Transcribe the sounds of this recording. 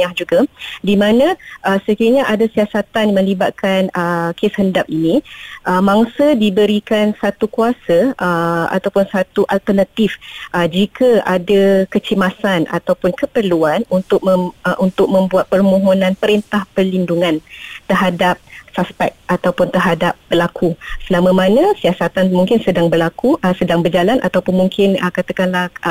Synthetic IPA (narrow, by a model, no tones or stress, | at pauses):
ahd͡ʒuɡadimãnãʔəsəkiaɲaʔadasiasat̪anmə̃libat̪̚kʰanəkeshəndap̚inĩʔəmaŋsədibəɾikansat̪ukuasəəa̰t̪awpʊnsat̪uʔalt̪ərnat̪ifʔəd͡ʒikʰaʔadakət͡ʃimasana̰t̪awpʊnkəpərluanunt̪ʊk̚məʔunt̪ʊk̚mə̃mbuat̪̚pərmõɦonãnpəɾint̪ahpərlinduŋãnt̪ərɦadap̚saspɛ̰k̚at̪awpʊnt̪ərɦadap̚b̥əlakʰusəlamə̃mãnə̃siasat̪anmuŋkɪnsədaŋbərlakusədaŋbərd͡ʒalanʔa̰t̪awpʊnmuŋkʰɪnəkat̪akanlah